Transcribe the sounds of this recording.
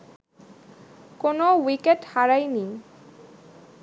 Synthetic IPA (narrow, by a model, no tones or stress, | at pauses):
konowikeʈhaɾajni